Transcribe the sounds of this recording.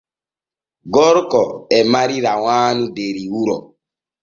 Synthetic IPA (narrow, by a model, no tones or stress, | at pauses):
ɡɔɾkɔɛmaɾiɾawaːnudeɾiwuɾɔ